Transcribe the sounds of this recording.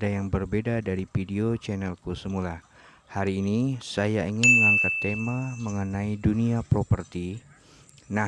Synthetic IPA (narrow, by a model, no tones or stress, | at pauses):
adajaŋbərbedadaɾipideot͡ʃɛnɛlkusəmula | haɾiːnisajaiŋɪnməŋaŋkat̪ːemaməŋənaiduniapɾopərt̪i | na